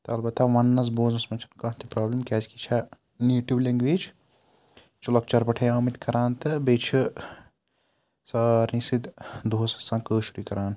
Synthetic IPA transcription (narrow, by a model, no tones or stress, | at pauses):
t̪ɐɐlbɐt̪aʋɐnːɐs̬boːzɐsmɐt͡ʃʰɐ̥nkɐɦt̪ʰipɾaːblimkɛːd͡ʒkit͡ʃʰa | njuːʈiblẽŋɡʋeːd͡ʒ | t͡ʃulɐk̚t͡ʃɐɾpɐʈʰɐjaːmit̪kɐɾaːnt̪ɨbet͡ʃʰi | sɐːɾnisid̪d̪ʱoːsɐ̥sɐ̃ːkəːʃuɾikɐɾaːn